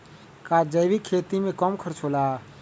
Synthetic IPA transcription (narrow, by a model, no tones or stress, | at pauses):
kaːd͡ʒəjʋikʰːeːt̪imẽkɔmkʰəɾt͡ʃʰolaː